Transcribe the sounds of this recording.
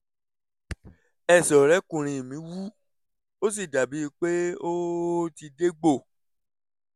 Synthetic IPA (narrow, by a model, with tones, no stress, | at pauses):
ɛ˦˨sɔ˨ɾɛ˨˦kũ˨ɾ̃ĩ˧˨mĩ˨˦wu˦ | o˦s̬i˦˨da˨bi˨˦i˧˦k͡pe˦o˦ti˧de˦ɡ͡bo˦˨